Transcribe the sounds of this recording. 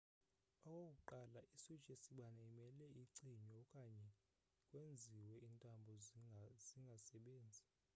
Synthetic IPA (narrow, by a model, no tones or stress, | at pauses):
ɔkʼokʼuǃalaʔisu̥t͡ʃʼesiɓanaimɛlɛiǀiɲɔkʼaɲɛ | kʼwend͡zʱiwɛintʼambʱɔz̥iŋɡʱasɛɓeːnd͡zʱi